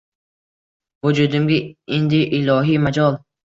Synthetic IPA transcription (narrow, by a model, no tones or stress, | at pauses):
vʊd͡ʒud̪ɪmɡʲaend̪ɪʔɪlɒɦimad͡ʒɒlˠ